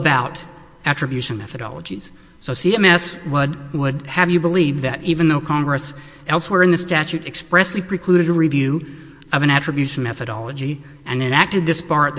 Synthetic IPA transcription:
əbaʊɾ | æt͡ʃɹ̥ɨbjʉʃɨ̃nmɛ̰θɨɾɑ̰lˠə̰d͡ʒiz̥ | soʊsiɛ̃mɛswədwədɨvjɨbəlivðɨɾivɨ̃nðoʊkʰɑ̃ŋɡɹɨs | ɛlˠswɛɹɨ̃nðɨstæt͡ʃʉɾɨkspɹɛslipʰɹ̥ɨkʰl̥ʉɾɨɾəɹivjʉ | ʌvɨ̃ɾ̃æt͡ʃɹ̥ɨbjʉʃɨ̃n̩mɛθɨɾɑ̰lˠəd͡ʒi | ɨ̃nɨ̃næk̚tɨd̪̚ðɪspɑɹt̪̚ð

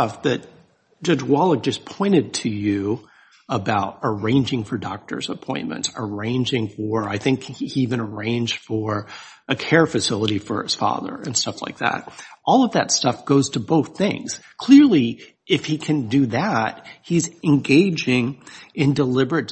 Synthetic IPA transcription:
ʌfðɨt̚ | d̥ʒ̥ʌd͡ʒwɑlˠək̚d͡ʒʌspʰɔ̃ɪ̃ɾ̃ɨd̚tʰɨjʉ | əbaʊɾə˞ẽɪ̃nd͡ʒɪ̃ŋfə˞dɑ̰k̚tə̰˞zəpʰɔ̃ɪ̃nmɨ̰̃ntsə˞ẽɪ̃nd͡ʒɪ̃ŋfə˞aɪθɪ̃ŋkhiivɨ̃nə˞ẽɪ̃nd͡ʒd̥fə˞ | ʔɨkʰɛɹfɨsɪlˠəɾifə̰˞ɨz̥fɑ̰ðə̰˞ɨ̃nstʌfla̰ɪk̚ðæ̰t̚ʔɔlˠʌvðɨ̰tstʌfɡ̥oʊz̥tʰɨboʊθɪ̃ŋz̥kʰl̥ɪɹlˠi | ɨfhikʰɨ̃ndɨðæt̚hizɨ̃nɡeɪd͡ʒɪ̃ŋɨ̃ndəlɪbə˞ɨt̚

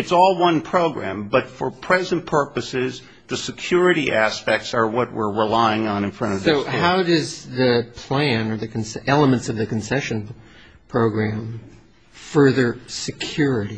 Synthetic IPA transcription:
ɨtsɔlˠwʌ̃npʰɹ̥oʊɡɹæ̰̃mbʌtfə˞pʰɹ̥ɛzɨ̃npʰɜ˞pɨsɪz | ðɨsɨkʰj̥ʊɹɨɾiʔæspɛk̚tsə˞wʌt̚wɪɹɹəlaɪɪ̃ŋə̃nɨ̃nfɹʌ̃ɾ̃ʌvsoʊɦaʊdʌzðɨpʰl̥æ̃nə˞ðɨkʰn̩sɛlˠəmɨ̃ntsʌvðɨkn̩sɛʃɨ̃n | pʰɹ̥oʊɡɹæ̃m | fɜ˞ðə˞sɨkʰj̥ʊɹɨɾi

